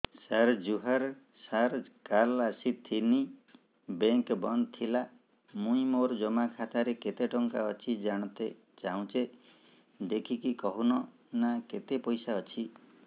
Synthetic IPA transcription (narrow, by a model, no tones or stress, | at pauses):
saɾd͡ʒuɦaɾ | saɾkalasit̪ʰini | beŋkbɔnd̪t̪ʰila | mũĩmoɾd͡ʒɔmakʰat̪aɾeket̪eʈɔŋkaɔt͡ʃʰid͡ʒaɽ̃ɔ̃t̪e | t͡ʃaũt͡ʃe | d̪ekʰikikɔɦunɔ | naket̪epɔjsaɔt͡ʃʰi